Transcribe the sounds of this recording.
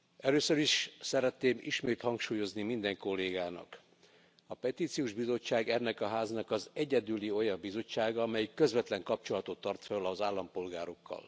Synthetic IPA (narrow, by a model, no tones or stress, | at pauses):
ɛløːsøɾiʃsɛɾɛt̪neːmḭʃmeːt̪hɒŋkʃuːjo̞znimind̪ɛŋko̞lːeːɡaːnɒ̰k | ɒpɛt̪iːt̪sijuːʒbizo̞t͡ʃːaːɡɛnːɛkɒɦaːznɒkɒzɛɟɛd̪ylio̞jɒmbizo̞t͡ʃːaːɡɒɒmɛjikːø̞zʋɛt̪lɛŋkɒpt͡ʃo̞lɒt̪o̞t̪ːɒrt̪følɒzaːlːɒmpo̞lɡaːɾo̞kːɒ̰l